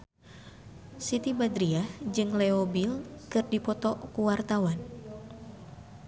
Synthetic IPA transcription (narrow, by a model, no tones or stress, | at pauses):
sit̪ibad̪ɾiahd͡ʒɨŋlɛobilkɨrdipɔt̪ɔʔkuwart̪awan